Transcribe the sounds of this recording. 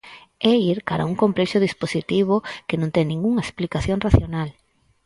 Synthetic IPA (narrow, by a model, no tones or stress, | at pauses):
ɛiɾkaɾa̰uŋkomplɛʃʊðisposit̪iβ̞okenõnt̪ɛŋnĩŋɡuŋɐesplikaθjoŋraθjonal